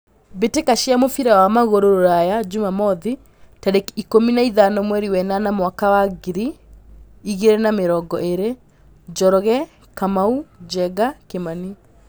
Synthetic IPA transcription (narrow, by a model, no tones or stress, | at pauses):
betekaʃiamofiɾawamaɣoɾoɾoɾajad͡ʒumamɔði | taɾekikominaiðanɔmwɛɾiwɛnanamwakawaɡiɾi | iɣeɾɛnameɾɔɡɔʔeɾe | d͡ʒɔɾɔɣɛ | kamaud͡ʒɛɡakemani